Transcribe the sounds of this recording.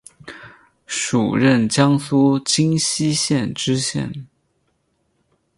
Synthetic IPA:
ʂu˨˩ɻə˥˩nt͡ɕjɑ˥ŋsu˥t͡ɕi˥ŋɕi˥ɕjɛ˥˩nʈ͡ʂɻ̩˥ɕjɛ̰˥˩n

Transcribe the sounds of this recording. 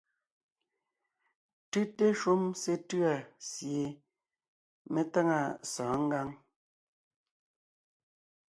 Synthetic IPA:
tʉ˦te˦ʃu˦mse˦tʉ˦a˨sje˨ | me˦ta˦ŋa˦˨sɔ̃ː˨˦ŋ̩˦ɡa˦ŋ

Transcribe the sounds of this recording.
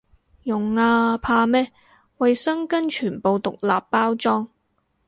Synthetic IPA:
jʊ˨ŋaː˧pʰaː˧mɛː˥ | wɐ˨jsɐ˥ŋkɐ˥nt͡ʃʰyː˨˩npo˨˧wt̪ʊ˨k̚laː˨pːaː˥wt͡sɔː˥ŋ

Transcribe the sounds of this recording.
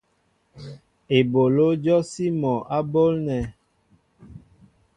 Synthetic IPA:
e˨bo˨lo˦d͡ʒɔ˦si˦mɔ˨ʔa˦bo˦lnɛ˨

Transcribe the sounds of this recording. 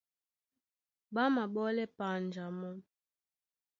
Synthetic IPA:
ɓa˦ma˨ɓɔ˦lɛ˦pa˨n˨d͡ʒa˨mɔ˦

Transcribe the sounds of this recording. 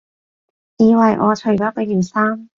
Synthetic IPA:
jiː˨˧wɐ˨˩jʔɔ̰ː˨˧t͡ʃʰɵ˨˩jɔː˨˥pe˨˧˥jyː˨˩nsaː˥m

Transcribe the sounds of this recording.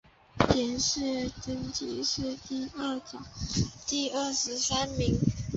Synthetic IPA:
t̪ʰjɛ˧˥nʂɻ̩˥˩ʈ͡ʂə˥nt͡ɕḭ˧˥ʂɻ̩˥˧t̪i˥˧ə˥˩t͡ɕjɑ˨˩˦t̪i˥˧ə˥˩ʂɻ̩˧˥sa˥nmi˧˥ŋ

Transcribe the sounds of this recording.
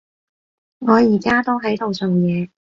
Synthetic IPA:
ŋɔː˨˧jiː˨˩kaː˥t̪o˥wɦɐ˨˥jt̪o˨wsɵ˨wjɛː˨˧

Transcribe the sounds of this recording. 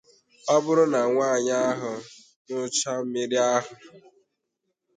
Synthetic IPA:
ɔ˦bʊ˦ɾʊ˦na˨ŋʷaː˦˨ɲa˦ɦʊ˨ | nʊ˦t͡ʃa˦m̩˦mɪ˦ɾi˦a˦ɦʊ˨

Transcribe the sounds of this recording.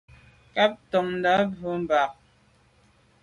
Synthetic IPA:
ka˦p̚tɔ˨ŋn̩˦da˨˦bo˨˦m̩˨ba˨k̚

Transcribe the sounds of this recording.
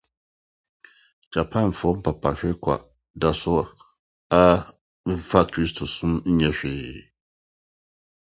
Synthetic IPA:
d͡ʒa˨pʰã˦˨n˨fɔ˦m̩˦pa˨pʰa˨ɕᶣɪ˦kʷʰa̰˨ | da˨sʊ˦ | a˦ | fa˦kʰɾi˦stʰo˨sũ˦m̩˦ɲɛ̃˨ɕᶣɪː˨

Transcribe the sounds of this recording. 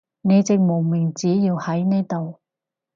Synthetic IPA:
ne˨˧jt͡sɪ˨ŋmo˨˩wmi˨˩ŋt͡siː˨˥jiː˧whɐ˨˥jne˥˧t̪o˨w

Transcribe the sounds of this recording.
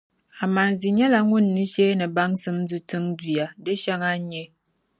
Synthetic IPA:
a˨ma˨zi˨ɲɛ˦la˦ŋu˦˨nːɨ˦ʃe˦nɨ˨ba˦ŋsɨ˦mdu˨tɨ˦ŋdi˨a˨dɨ˦ʃa˦ŋa˦ɲɛ˦

